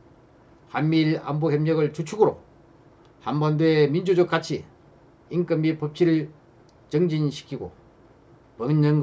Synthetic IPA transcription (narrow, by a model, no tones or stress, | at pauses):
hanːiɾa̰mbohjemɲʌɡɯɭt͡ɕut͡ɕʰuɡɯɾo̰ | hambʌndoemind͡ʑud͡ʑok͈at͡ɕʰi | iŋk͈ɯmipʌp̚t͡ɕʰiɾɯɭ | t͡ɕʌŋd͡ʑinɕʰi̥kʰiɡo̰ | pʌnʌnɡ